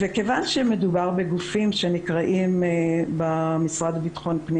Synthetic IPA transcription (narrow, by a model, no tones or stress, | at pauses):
veke̞vanʃemed̪ubaʁbeɡufimʃe̞nikʁaʔimbamisʁad̪abit̪ḁχo̞npni